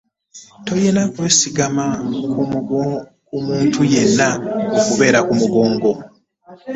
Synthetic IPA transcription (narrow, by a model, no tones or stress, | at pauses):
to̞je̞nakwe̞ːsiɡamaku | kumuːntuje̞nːaokuβe̞ːɾakumuɡo̞ːŋɡo̞